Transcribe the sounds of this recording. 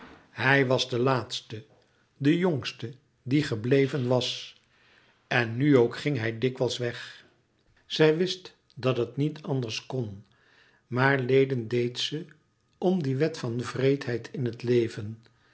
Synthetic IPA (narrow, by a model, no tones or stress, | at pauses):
hɛjʋɑzdəlaːtstə | dəjoŋstə | diχəblejvənʋɑs | ɛnːyowkχɪŋɦɛjdɪkʋɛlˠsʋɛχ | z̥ɛjʋɪst | dɑtɦətnitʰɑndəɹskɔn | maːɹlejdəndejtsə | ɔmdiʋɛtfɑnvrejtɦɛjtʰɪnɦətlejvən